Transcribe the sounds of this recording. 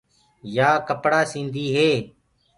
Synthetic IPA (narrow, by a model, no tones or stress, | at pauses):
jaːkəpɽaːsĩːnd̪ʱiːɦeː